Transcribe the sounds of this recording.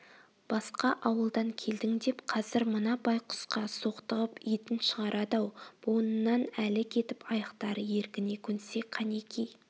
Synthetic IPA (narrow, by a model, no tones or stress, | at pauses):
b̥ɑsqɑʔɑwəlˠd̪ɑŋkʲʰe̞ld̪ɪŋd̪e̞pqʰɑzɪɾmənɑbɑjqʰʊ̥sqɑsoqt̪əʁəpijt̪ɪnʃəʁɑɾʔɑd̪ɑwb̥onənːɑnælɪkʲʰe̞t̪ɪpʰɑjɑqt̪ɑɾəje̞ɾkʲɪne̞kʲʰɵnse̞qʰɑne̞kʲej